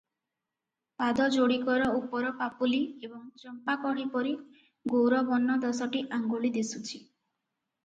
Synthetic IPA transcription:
pad̪ɔd͡ʒoɽikɔɾɔupɔɾɔpapuliebɔŋt͡ʃɔmpakɔɽipɔɾi | ɡowɾɔbɔnːɔd̪ɔsɔʈiʔaŋɡoɭid̪isut͡ʃʰi

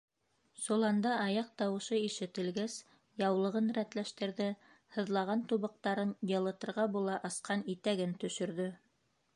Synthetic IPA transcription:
sulˠɑnd̪ɑʔɑjɑq̚t̪ɑwɤ̆ʃɤiʃɘ̆t̪ɘ̆lɡæs | jɑwlˠɤ̆ʁɤnɾæt̪læʃt̪ɘ̆ɾðɘ | hɤ̆ðlˠɑʁɑnt̪uβɤ̆q̚t̪ɑɾɤnjɤ̆lˠɤ̆t̪ɤ̆ɾʁɑbulˠɑʔɑ̆sqɑnit̪æɡɘnt̪ɵ̆ʃɵ̆ɾðɵ

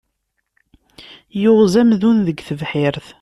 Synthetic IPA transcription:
jʊʁzæmðunðəɡθəvħɪɾθ

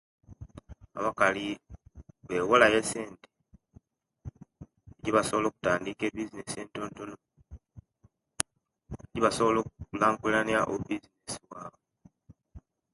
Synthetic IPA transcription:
a̰βakali | βe̞wolajese̞ːnte̥ | eɟiβaso̞βolo̞ːku̥taːndike̞bizine̞se̞ːnto̞ːnto̞no | eɟiβaso̞βolo̞ːkuulaːŋɡulanjaʔobizine̞siwaːβo

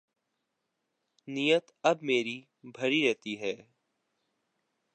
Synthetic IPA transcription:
nijət̪ɐbmeːɾi | bʱɐɾiɾɛɦt̪iɦɛː

